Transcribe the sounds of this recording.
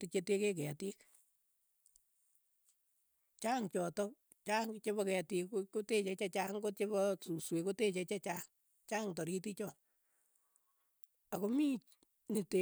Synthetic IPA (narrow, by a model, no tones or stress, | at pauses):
tit͡ʃetekekɛatik | t͡ʃaːŋt͡ʃɔtɔ | t͡ʃaŋt͡ʃebɔkɛtikkotet͡ʃɛt͡ʃat͡ʃaŋkot͡ʃeβɔsuswekotet͡ʃet͡ʃat͡ʃaŋ | t͡ʃaŋtɔɾitit͡ʃɔ | akomit͡ʃ | nite